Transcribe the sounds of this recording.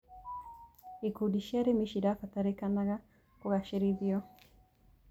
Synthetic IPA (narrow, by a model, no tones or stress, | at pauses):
ikudiʃaɾimiʃidafataɾikanaɣa | kuɣaʃɛɾiðiɔ